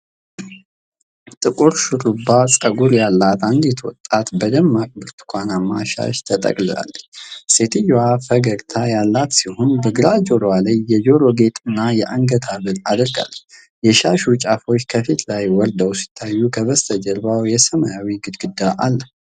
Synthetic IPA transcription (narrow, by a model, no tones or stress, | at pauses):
t̪ʼɨkʼuɾʃɨɾubasʼəɡuɾjalːat̪and̪jɛt̪ʰəwɔ̰t̪ʼːat̪bəd̪əmːakʼbɨɾt̪ʰkʷʰʼanamːa̰ʃa̰ʃt̪ʰət̪ʼə̰kʼlɨa̰lːəɲse̞t̪ʰɨjoafəɡəɡt̪ʰajalːat̪sihonbəɡɨɾad͡ʒo̞ɾwalajːɛd͡ʒo̞ɾo̞ɡe̞t̪ʼɨnːajɛʔaŋɡət̪ʰaβɨnad̪əɾɡa̰lːəɲ | jɛʃaʃut͡ʃʼafo̞t͡ʃːkʰəfit̪lajwɔɾd̪əwsi̥t̪ʰːajːukʰəβəst̪ʰəd͡ʒəɾbawjɛsəmajawiɡɨd̪ɡɨd̪ːaʔalːəh